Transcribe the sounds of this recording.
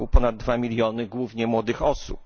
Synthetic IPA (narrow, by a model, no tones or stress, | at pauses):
wpɔnad̪̚ːvamʲilʲjɔnɘɡwuvɲɛmwɔd̪ɘxɔsṵp